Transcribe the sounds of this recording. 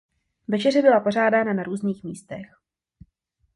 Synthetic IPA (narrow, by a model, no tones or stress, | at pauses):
vɛt͡ʃɛrɛbɪlapo̞r̝aːdaːnanaɾuːzniːxmiːst̪ɛx